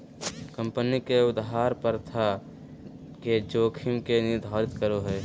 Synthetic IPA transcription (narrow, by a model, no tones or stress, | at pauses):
kə̃mpənikeʊd̪ɦaːɾpəɾt̪ʰa | ked͡ʒoːkʰɪmkenɪd̪ʱaːɾɪt̪kəɾoɦɛː